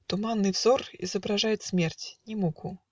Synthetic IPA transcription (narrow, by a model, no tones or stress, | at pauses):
t̪umanːɨjvzɔrḭzɐbɾaʐajɪt̪sʲmʲɛrtʲnʲɪmukʰu